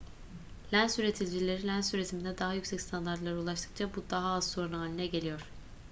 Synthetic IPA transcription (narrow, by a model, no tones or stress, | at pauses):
lʲænsyɾe̞t̪ʰilʲd͡ʒilʲe̞ɾinlʲænsyɾet̪ʰimind̪ɛd̪aɦajycsɛcst̪ʰand̪aɾt̪lˠaɾɯulˠaʃt̪ʰɯ̥k̚t͡ʃʰabud̪aɦaːzso̞ɾunaːlʲinɛɟe̞lʲijo̞ɾ̥